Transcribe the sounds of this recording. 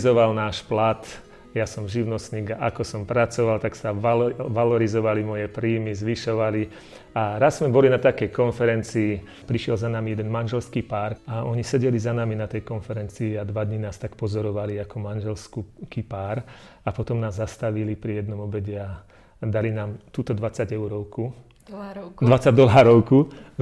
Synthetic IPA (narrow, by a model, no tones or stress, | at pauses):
zɔʋalnaːʃplat̪ | jasɔmʒiʋnɔsniːɡaʔakɔsɔmpɾat͡sɔʋalt̪aksaʋalɔɾizɔʋalimɔjɛpɾiːmizʋiʃɔʋali | aɾazːmɛbɔlinat̪akɛjkɔnfɛɾɛnt͡siː | pɾiʃjɛlzanamijɛd̪ɛnmanʒɛlskipaːɾaɔɲisɛɟɛlizanaminat̪ɛjkɔnfɛɾɛnt͡siːad̪ʋad̪ɲinaːst̪akpɔzɔɾɔʋaliakɔmanʒɛlskukipaːɾ | apɔt̪ɔmnaːzːast̪aʋilipɾijɛd̪nɔmɔbɛɟɛa | d̪alinaːmt̪uːt̪ɔd̪ʋat͡saɟɛʊɾɔʊku | d̪ʋat͡saɟd̪ɔlaːɾɔʊku